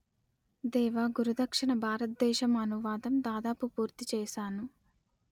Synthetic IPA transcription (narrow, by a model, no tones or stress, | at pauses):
d̪ɛːʋaːɡuɾud̪ɐkʂiɳɐbʱaːɾɐt̪̚d̪ɛːʃɐmɐnuʋaːd̪ɐmd̪aːd̪aːpupuːɾt̪it͡ʃɛːʃaːnu